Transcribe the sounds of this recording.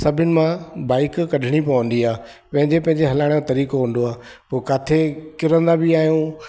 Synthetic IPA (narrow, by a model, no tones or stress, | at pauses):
sɐbʱɪnɪ̆mãbaːɪkːɐɖʱɪɽ̃ipɐʋə̃nd̪iaː | pɐ̃ɦɪ̃ɲd͡ʑepɐ̃ɦɪ̃ɲd͡ʑeɦɐlaːɽ̃jot̪ɐɾiːkoɦə̃n̆d̪oaː | poːkaːt̪ʰekɪɾə̃nd̪abɪaːɦijũ